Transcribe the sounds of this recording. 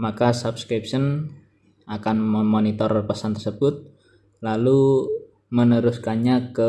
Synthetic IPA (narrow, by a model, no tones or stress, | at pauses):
makasapskɾip̚sən | akanmmonit̪ɔrpəsant̪ərsəbʊt̪̚ | lalu | mənəɾʊskaɲakə